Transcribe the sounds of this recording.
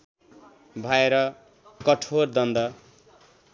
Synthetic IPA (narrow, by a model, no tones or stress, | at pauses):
bʱaeɾʌ | kʌʈʰord̪ʌnd̪ʌ